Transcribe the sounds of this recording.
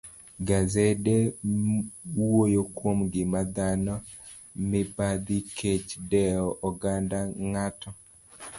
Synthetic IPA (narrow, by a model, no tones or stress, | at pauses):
ɡazɛde | wwojokwomɡɪmad̪anɔ | mɪbad̪ikʰet͡ʃdɛɔʔɔɡandaŋatɔ